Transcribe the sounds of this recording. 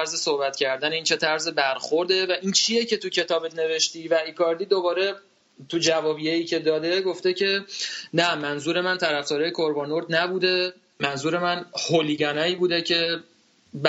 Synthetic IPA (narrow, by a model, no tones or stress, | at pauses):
ɾzesohbæt̪cʰæɾd̪æneiːnt͡ʃʰe̞t̪ʰæɾzebæɾxoɾd̪e̞væʔint͡ʃʰije̞cʰet̪ʰucʰe̞t̪ʰɒːbene̞ve̞ʃt̪iːvæikʰɒɾd̪iːd̪obɒːɾe̞ | t̪ʰud͡ʒævɒːbijejiːcʰe̞d̪ɒːd̪e̞ɡo̞ft̪e̞cʰe̞næmænzuːɾe̞mænt̪ʰæɾæfd̪ɒːɾɒːjekʰoɾbɒːnoɾd̪næbuːd̪e̞ | mænzuːɾe̞mænholiːɡænɒːiːbuːd̪ecʰe̞ | b